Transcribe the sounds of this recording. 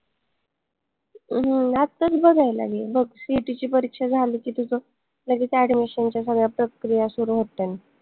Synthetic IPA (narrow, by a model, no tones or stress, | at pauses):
ɦəat̪əɾbəɡʱajla̰ɡibəɡsiʈit͡ɕiːpəɾikʂad͡zʱaliːkiːt̪ud͡zɔ | ləɡiːt͡sæɖmiɕənt͡ɕjasəɡɭjapɾəkɾijasuɾuɦot̪ːana